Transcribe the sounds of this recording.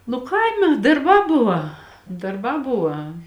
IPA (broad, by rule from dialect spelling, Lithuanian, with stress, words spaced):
nʊ ˈkɐɪmʲɛ dɐrˈbɑː ˈbʊʋɐ dɐrˈbɑː ˈbʊʋɐ